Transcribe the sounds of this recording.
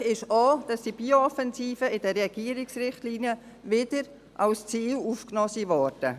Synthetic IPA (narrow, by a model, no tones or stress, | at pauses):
ɪʃɔːd̥ɑsːiːbioɔfɛnziːfəɪd̥ɛrːɛɡ̥iəɾɪksrɪχtliːnjə | vɪd̥əɾ | ʔɑlst͡siːluːfknɔːsiʋɔɾd̥ə